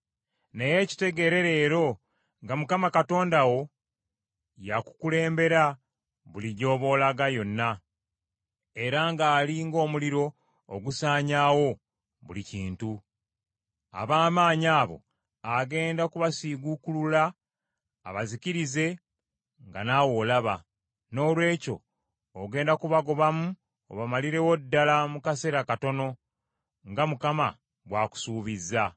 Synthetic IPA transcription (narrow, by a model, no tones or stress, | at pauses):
ne̞je̞ci̥te̞ɡe̞ɾe̞ɾe̞ːɾo̞ | ŋɡamukamakato̞ːndawo̞ | jaku̥kule̞ːmbe̞ɾa | βuliɟo̞ːβo̞ːlaɡajo̞nːa | e̞ɾaŋɡaːliŋɡo̞ːmuliɾo̞ː | ɡusaːɲaːwo̞ | βuliciːntu | a̰βaːmaːɲaːβo̞̰ | aɡe̞ːndakuβasiɡukululaː | βaziciɾize̞ | ŋɡanaːwo̞ːlaβa | no̞ːlwe̞ːco̞̰ː | ɡe̞ːndakuβaɡo̞βamu | o̰βamaliɾe̞wodːalamukase̞ɾakato̞no̞ | ŋɡamukama̰ | bwaːku̥suːβizːa